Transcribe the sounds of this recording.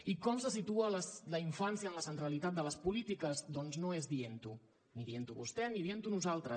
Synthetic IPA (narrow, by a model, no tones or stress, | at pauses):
ikɔmsəs̬it̪uələsləiɱfansjəːnləsənt̪ɾəlit̪at̪̚d̪ələspulit̪ikəzd̪ɔnznoezðient̪u | niðient̪uβṵst̪ɛniðient̪unuzalˠt̪ɾə